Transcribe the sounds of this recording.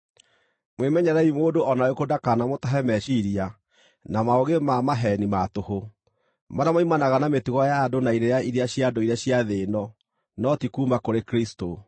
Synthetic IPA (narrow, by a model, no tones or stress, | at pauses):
mwemɛɲɛɾɛimoːdoʔɔnaokodakanamotaɦɛmɛʃiɾia | namaoɣemamaɦɛnimatoho | maɾamaimanaɣanametuɣɔjadonaiɾejaiɾeaɕjadoiɾaɕiaðenɔ | nɔtikuːmakoɾekɾisto